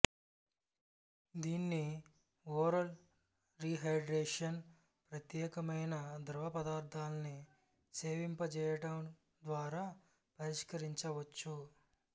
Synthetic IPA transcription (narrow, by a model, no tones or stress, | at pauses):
d̪iːnːi | oːɾɐl | ɾiɦɐjɖɾeːʂɐn | pɾɐt̪jɛːkɐmɐjnɐd̪ɾɐʋɐpɐd̪aːɾt̪ʰaːlɐni | seːʋimpɐt͡ʃɛːjɐʈɐm | d̪ʋaːɾaː | pɐɾiʂkɐɾiɲt͡ʃɐʋɐt͡ʃːu